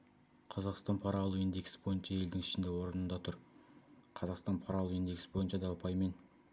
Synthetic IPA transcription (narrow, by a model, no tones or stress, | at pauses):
qʰɑzɑqst̪ɑnpʰɑɾɑlˠuwind̪e̞kʲsbo̞jənʃɑe̞ld̪ɪŋɪʃɪnd̪ewo̞ɾənənd̪ɑt̪ʰʊɾ | qʰɑzɑqst̪ɑnpʰɑɾɑlˠuwind̪e̞ksbo̞jənʃɑd̪ɑʊpʰɑjme̞n